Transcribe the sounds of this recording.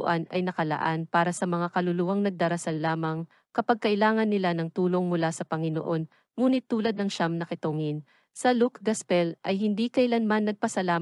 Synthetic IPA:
ʔanɐjnɐkɐlɐ̰ʔanpaːɾɐsɐmɐŋakɐlʊluːwɐŋnɐɡ̚d̪ɐɾɐsalːaːmɐŋ | kɐpaɡ̚kɐʔɪlaːŋɐnːɪlanɐŋt̪uːlo̞ŋmʊlasɐpɐŋɪno̰ʔo̞n | muːnɪt̪ːuːlɐd̪̚nɐŋʃamnɐkɪt̪oŋɪn | sɐlukɡɐspɛlʔɐjhɪnd̪ikɐʔɪlanmanːɐɡ̚pɐsɐlaː

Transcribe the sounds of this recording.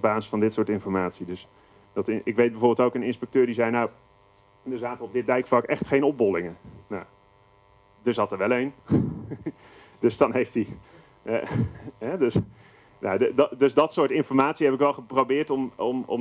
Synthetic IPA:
baːzə̥fɑndɪtsʊːɹtɪnfɔɹmaːtsidɵs | d̥ɑtʔɪkʋejt̚bəvʊːbɪlˠtowkənɪnspɛk̚tøːɹdizɛjnaw | dəɹzaːtəɔb̚dɪt̚dɛjkflɑkɛχtχejnɔb̚bɔlˠɪŋəna | dəɹzɑtəʋɛlˠejn | d̥øsd̥ɑnɦejfti | ɦɛdəs | ja̰dddɵsdɑtsʊːɹtɪnfɔɹmaːtsiɦɛpɪkʋɛlˠχəprowbɪːɹtɔmɔmɔ̰m

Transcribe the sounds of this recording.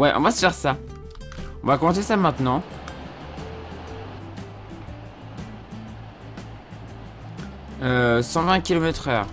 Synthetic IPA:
wɛʔɔ̰̃vasə̥fɛʁsa | ɔ̃vakɔmɑ̃sesamɛ̃t̪nɑ̃ | øsɑ̃vɛ̃kʲilɔmɛt̪χœːʁ

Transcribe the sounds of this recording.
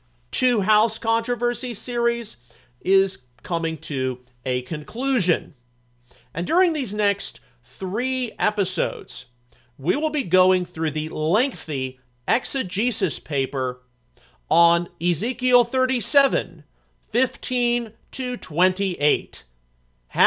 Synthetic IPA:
tʰʉɦaʊskʰɑ̃nt͡ʃɹ̥ɨvɜ˞sisɪɹiz | ɪz̥ | kʰʌmɪ̃ŋtʰɨ | ɨkʰɨ̃nkʰl̥ʉʒɨ̰̃n | ʔɨ̃ndʊɹɪ̃ŋðiznɛkst | θɹiɛpɨsoʊdz̥ | wiwəlˠbiɡoʊɪ̃ŋθɹʉðilɛ̃ŋkθi | ʔɛksɨd͡ʒisɨspʰeɪpə˞ | ə̃nɪzikil̩ˠθɜ˞ɾisɛvɨ̰̃n | fɪftʰĩntʰɨtʰw̥ɛ̃ntiʔeɪt | h

